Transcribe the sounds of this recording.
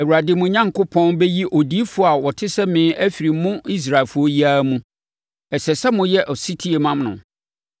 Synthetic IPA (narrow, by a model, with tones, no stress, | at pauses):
æ˨wu˨ɾa˨dɪ˨˦mʊ̃˨ɲã˦ŋkʰʊ˦pʰɔ̃˦nbɛ˦ji˦ʔo˨di˦fʊ˦a˨wɔ˨tʰɪ˦sɛ˦mɪ̃ː˨˦ʔæ˦fi˨ɾi˨mʊ̃˦i˦s̬ɾa˨e˨lfʊ˨˦ɔ˦ji˦a˦mũ˦ | ɛ˨sɛ˨sɛ˦mʊ̃˦jɛ˦ʔɔ˨si˦tʰi˦e˨mã˦mnʊ̃˨